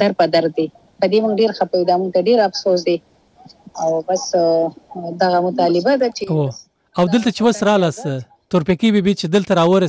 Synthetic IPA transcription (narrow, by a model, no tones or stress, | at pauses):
aɾpad̪aɾ̚d̪e | pəd̪emʊŋɡɖeɾxapajid̪amʊŋɡ̚t̪aɖeɾafsos̬d̪e | awbas | d̪aɣamʊt̪ɑlɪbad̪at͡ʃewo | awd̪əlt̪at͡ʃewasɾɑlɑsə | t̪ʊɾpekibebit͡ʃed̪əlt̪aɾɑwəɾa